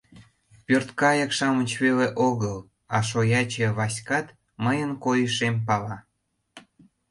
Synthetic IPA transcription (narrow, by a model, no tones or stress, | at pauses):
pørt̪kɑjɑkʃɑmət͡ɕβeleʔoɣəl | ɑʃojɑt͡ɕĕβɑsʲkɑt̪ | məjənkojəʃempɑlɑ